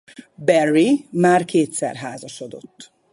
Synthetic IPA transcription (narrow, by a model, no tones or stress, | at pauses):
bɛrːimaːrkʰeːt̪sɛ̰rɦaːzɒʃod̪o̞̰t̪ː